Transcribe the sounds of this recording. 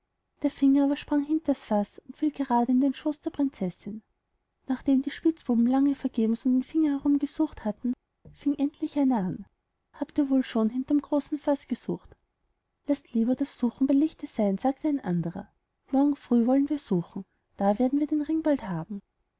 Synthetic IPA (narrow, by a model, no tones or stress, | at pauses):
d̥eːɐfɪŋɐaːbɐʃpʁ̥aŋhɦɪntɐsfasʊntfiːlɡ̥əʁaːdəɪndeːnʃoːsd̥eːɐpʁ̥ɪnt͡sɛsɪn | naːχd̥eːmdiːʃpɪt͡sb̥uːbm̩laŋəfɛɐɡ̥eːbm̩sʊnd̥eːnfɪŋɐhɛʁʊmɡəz̥uːχthatn̩ | fɪŋʔɛntʰlɪçʔaɪnaan | haːptiːɐvoːlʃoːnɦɪntɐɪmɡ̥ʁoːsn̩fasɡ̥əz̥ṵːxt | lastliːbɐdasːuːxŋ̩bɪlɪçtəz̥aɪnz̥aːk̚tʰəæɪnʔa̰ndəʁɐ̰ | mɔɐɡŋ̩fʁ̥yːvɔlənviːɐz̥uːχŋ̩ | d̥aːveːɐdn̩viːɐdeːnʁɪŋb̥althaːbm̩